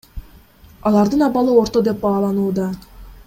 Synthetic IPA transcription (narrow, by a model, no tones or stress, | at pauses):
ɑlˠɑɾd̪ɯnɑβɑlˠɯo̞ɾt̪o̞d̪e̞p̚bɑːlˠɑnuːd̪ɑ